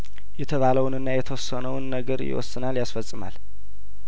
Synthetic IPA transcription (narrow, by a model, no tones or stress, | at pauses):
jɛt̪ʰəβaləwnɨnːajɛt̪ʰəwɔsːənəwnːəɡəɾjɪ̰wɔ̰sːɨnaljasfəsʼɨma̰l